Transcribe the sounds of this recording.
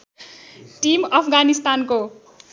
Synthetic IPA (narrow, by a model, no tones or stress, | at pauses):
ʈimʌpʰɡanist̪anko